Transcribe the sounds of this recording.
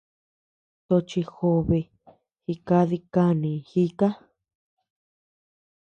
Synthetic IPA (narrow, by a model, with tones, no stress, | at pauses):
t̪o˧t͡ʃi˧xo˧βe˧ | xi˧ka˧ði˧ka˧nĩ˨xi˦ka˦